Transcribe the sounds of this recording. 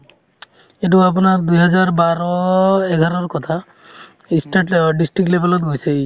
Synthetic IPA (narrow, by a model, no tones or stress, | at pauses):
et̬uap̬unaɹd̪ujɦɔzaɹbaɾɔeɡʱaɾɔɹkɔt̪ʰa | isʈʈɖisʈɹikʈlebelɔt̪̚ɡojse